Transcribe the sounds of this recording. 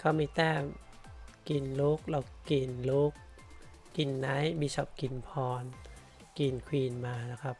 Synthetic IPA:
kʰa˧˩wmiː˧˩t̪ɛː˧˥˩m | ki˨˩nlo˦˥k̚la˧˩wki˨˩nlo˦˥k̚ː | i˨˩nːaː˦˥jbiː˦˧˥sɔ˦˩p̚ki˨˩npʰɔː˧n | ki˨˩nkʰwiː˧˩nmaː˧na˧˩kʰa˦˥p̚

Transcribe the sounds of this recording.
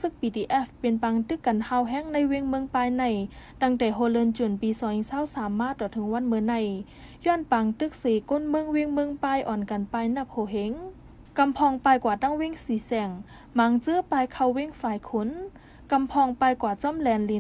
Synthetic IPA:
sɯ˧˦k̚piː˧t̪iː˧ʔɛː˧˩fpe˨npa˧ŋt̪ɯ˧˨kːa˨nha˧˨wɦɛː˧˥˨ŋna˧˥˨jwe˧˥˨ŋmɯ˧˨ŋpaː˧˨jna˧˩jda˧ŋdɛ˧˩jɦo˧lɤː˧˨nt͡ɕu˧˩˨npiː˨sɔː˧˦ŋi˧˨saː˧˥˨wsaː˨˦mːaː˧˥˨t̪ɔː˨˩t̪ʰɯ˨˦ŋwa˧˥˨nmɯː˧na˧˩˨j | jɔː˧˥˨npaː˧ŋt̪ɯ˧˨k̚seː˨˩˦ko˧˥˨nmɯ˧˥˨ŋwe˧˥˨ŋmɯ˧˨ŋpaː˧˨jʔɔː˨˩˨nka˨˩npaː˧˨jna˧˩pʰhoː˧˩ɦe˧˦ŋ | ka˧˨mpʰɔː˧ŋpaː˧jkwaː˧˩t̪a˧˥˨ŋwe˧˥˨ŋsiː˨˦sɛː˧˩ŋ | maː˧˥ŋt͡ɕɯː˧˥˨paː˧jkʰa˧˩˨wwe˧˥˨ŋfaː˧˩jkʰo˧˥˨n | ka˧˨mpʰɔː˧ŋpaː˧jkwaː˧˩t͡sɔ˧˥˨mlɛː˧nli˧

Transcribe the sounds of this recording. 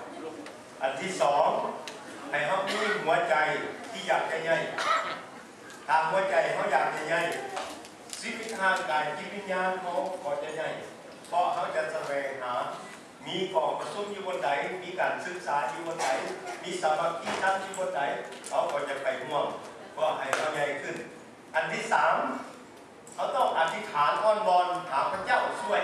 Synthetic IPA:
ʔa˨˩nt̪ʰiː˧˨sɔː˨˦ŋ | ha˨˩jɦa˧˩wmiː˧˥˧ɦu˨˦ɐt͡ɕa˨jt̪ʰiː˧˨jaː˨˩k̚t͡ɕa˧˨ɲa˧˩j | t̪ʰaː˨˩ɦu˧ɐət͡ɕa˨˩jɦa˧˩wjaː˨˩k̚da˧˩jɲa˧˩j | si˧˥e˧˥t̪haː˧˩ŋkaː˨nki˧˩t̪̚wi˧˨nɲaː˧˥˨nha˧wkɔː˧˩t͡ɕa˧ɲa˧˩j | pʰɔ˧˥ʔɦa˧˩wt͡ɕa˧sa˧wɛː˨˦ŋhaː˨˦ | miː˧˥kɔː˨˦ŋpa˧su˧˥˦njuː˧bo˧nda˨˦jmiː˧˥˨kaː˨nsɯ˧k̚saː˨˦juː˧bo˧nda˨˦jmiː˧˥sa˨˦ma˧˦p̚t̪iː˧˩t̪ʰa˧˥˨ntʰiː˧bo˧˥nda˨˦jkʰa˧˩wkɔː˧˩t͡ɕa˧pʰa˨˩jhu˧˥əm | pʰɯ˧˩ɐɦa˨˩jka˧˥˩wɲa˧˩jkʰɯ˧˩n | ʔa˨nt̪ʰiː˧˩saː˨˦m | kʰa˧˩wt̪ɔ˥˩ŋʔa˨˧t̪ʰːi˧˩t̪ʰaː˨˦nt̪ʰɔː˧˥˨nbɔː˧nhaː˨˦pʰa˧t͡ɕa˥˩˨wsu˧˩ə

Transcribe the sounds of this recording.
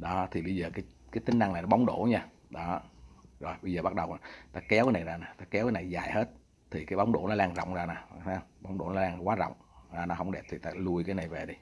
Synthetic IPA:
ɗɔ˨˦t̪ʰi˨˩ɓə˧jzəː˨˩kaː˨˦j | kaː˨˦t̪i˨˦ŋ̟na˧ŋna˨˩jnɔ˦ɓa˨˦wŋ͡mɗo̰˧˦ɲaː˧ | ɗɔ˨˦zo˨˩jɓə˧jzəː˨˩ɓa˦˥ɗə˨˩wna˨˦t̪aː˧kɛ˨˦wkaː˨˦na˨˩jzaː˧naː˨˩t̪aː˧kɛ˨˦wkaː˨˦na˨˩jzaː˨˩jhe˦˥t̚ | t̪ʰi˨˩kaː˨˦jɓa˨˦wŋ͡mɗo̰˧˩˦nɔ˨˦laː˧ŋzɔ̰˧˨wŋ͡mzaː˧naː˨˩hɛ˧ɓa˨˦wŋ͡mɗo̰˧˩˦nɔ˨˦laː˧ŋkwaː˨˦zɔ̰˧˨wŋ͡mzaː˧nɔ˨˦hə˧wŋ͡mɗe˨˩p̚t̪ʰi˨˩t̪aː˧lu˧əjkaː˨˦jna˨˩jve˨˩ɗi˧

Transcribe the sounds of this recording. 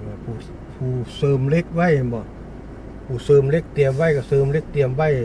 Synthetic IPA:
la˧˩pʰuː˧˩ | pʰuː˧˩sɤː˧˩mle˦˥k̚wa˧˥˨jbɔ˧˩ | pʰuː˧˩sɤː˧˩mle˧˥˩k̚t̪i˨˩əmwa˧˥˩jka˧˩sɤː˧mle˧˥˩k̚t̪i˨˧˩əmwa˧˥˩j

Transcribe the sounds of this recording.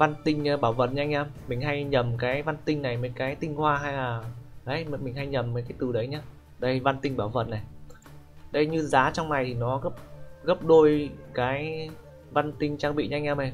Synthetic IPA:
va˧nt̪ï˧ŋ̟˧ɓaː˧˩wvə̰˨˩t̚ɲaː˧ŋ̟ʔɛ˧mmï˨˩ŋ̟ɦa˧jɲə˨˩mkaː˨˦jva˧nt̪ï˧ŋ̟na˨˩jməː˨˦jkaː˨˦jt̪ï˧ŋ̟hwaː˧ɦa˧jlaː˨˩ɗə˨˦jm˨˦mï˨˩ŋ̟ɦa˧jɲə˨˩mə˨˦jkaː˨˦jt̪ɨ˨˩ɗə˨˦jɲaː˧ | ɗə˧jva˧nt̪ï˧ŋ̟ɓaː˧˩wvə̰˧˩n̚a˨˩j | ɗə˧jɲɨ˧zaː˨˦t͡ɕɔ˧wŋ͡mna˨˩jt̪ʰi˨˩nɔ˨˦ɣə˦˥p̚ɣə˦˥p̚ɗo˧jkaː˨˦j | va˧nt̪ï˧ŋ̟t͡ɕaː˧ŋɓḭ˧˨ɲa˧ŋ̟ʔɛː˧mə˨˩

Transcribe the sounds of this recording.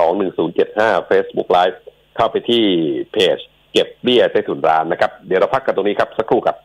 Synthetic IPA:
ɔː˩˦ŋnɯ˨˩ŋsuː˩˦nt͡ɕe˨˩t̪̚haː˥˩feː˦˥sbṵ˦˥k̚laː˦˥jf̚ | kʰa˥˩wpa˧jt̪ʰiː˥˩pʰeː˨˩t͡ɕ | ke˨˩p̚bi˥˩ɐt͡ɕaː˥˩jt̪ʰuː˨˩˦nɾaː˦˥nːa˦˥kʰa˦˥p̚d̪i˨˩˦ɾa˧wpʰa˦˥kːa˧˩t̪o˧niː˦˥kʰa˦˥p̚sa˦˥kʰɾuː˥˩ka˦˥p̚

